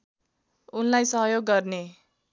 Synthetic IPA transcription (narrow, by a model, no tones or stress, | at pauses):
unlajsʌɦjoɡːʌrne